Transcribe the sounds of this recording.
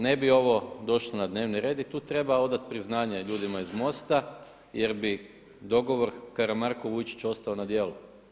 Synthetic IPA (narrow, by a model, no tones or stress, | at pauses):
ne̞bio̞ʋo̞d̪o̞ʃlˠonad̪ne̞ːʋniɾe̞ːd̪it̪uːt̪ɾe̞bao̞d̪at̪̚pɾiznaːɲeʎuːd̪imaizmo̞st̪a | jeɾbi | d̪o̞ɡo̞ʋo̞ɾkaɾamaɾko̞ʋujt͡ʃi̥t͡ɕo̞st̪aonad̪je̞ːlu